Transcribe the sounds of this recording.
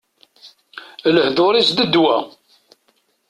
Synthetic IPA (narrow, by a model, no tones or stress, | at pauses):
ləhðoɾisd̪əd̪wæ̰